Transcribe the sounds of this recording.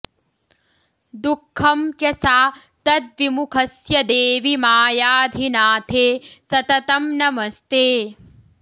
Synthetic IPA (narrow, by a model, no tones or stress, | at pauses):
d̪ukʰːɐmkjɐsaː | t̪ɐt̪̚ʋimukʰɐsjɐd̪eːʋimaːjaːd̪ʱinaːt̪ʰeːsɐt̪ɐt̪ɐmnɐmɐst̪eː